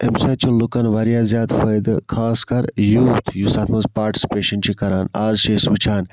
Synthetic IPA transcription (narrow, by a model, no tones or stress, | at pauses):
emsɐt͡ʃunlukɐnʋɐɾijaːzjaːd̪fɐjd̪ɨkʰaːskɐɾjuːt̪ʰjusaːt̪ʰmɐzpaːɾʈi̥si̥peːʃɐnt͡ʃʰikɐɾaːna̰ːzʃeːsʋit͡ʃʰaːn